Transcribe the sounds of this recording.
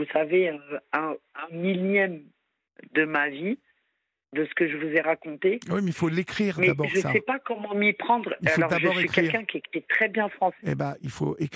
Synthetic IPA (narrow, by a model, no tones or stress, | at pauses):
vusaveɛ̃ɛ̃miljɛm | d̪əmavi | d̪əsə̥kəʒəvuzɛʁakɔ̃t̪ewimɛilfolekχiʁdmɛabɔʒəsa̰ɛpakɔmɑ̃mipχɑ̃d̪ʁiafoɔʁd̪aʒəɔsʁeɥikχkɛilːʁkɛ̃kʲiɛkʲiɛt̪χɛbjɛ̃fχɑ̃seebailfo̰ek